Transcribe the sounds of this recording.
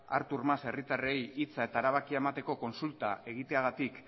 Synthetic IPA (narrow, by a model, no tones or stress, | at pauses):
a̰ɾt̪uɾmase̞rit̪are̞jit͡sae̞t̪aːɾaβakiaemat̪e̞ko̞ko̞nsult̪ae̞ɣ̞it̪e̞aɣ̞at̪ik